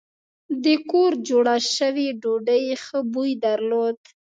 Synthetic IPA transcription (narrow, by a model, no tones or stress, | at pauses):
d̪əkoɾd͡ʒoɽaʃəwiɖoɖəjxəbujd̪aɾlod̪